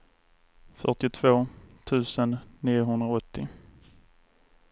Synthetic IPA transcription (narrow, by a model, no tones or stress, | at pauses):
fœ̰ʈɪt̪ʰvoːt̪ʰʉ̟ːsənːiːʊɦɵnd̪ɾaɔt̪ʰːɪ